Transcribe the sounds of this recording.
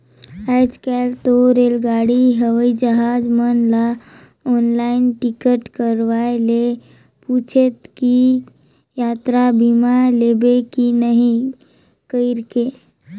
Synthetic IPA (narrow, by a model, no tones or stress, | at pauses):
ad͡ʒkɛlt̪oɾelɡaɽiɦəʋəid͡ʒəɦad͡zmənla | ɔnlainʈikəʈkəɾʋajle | put͡ʃʰet̪ki | jat̪ɾabimalebekinəɦĩ | kəiɾke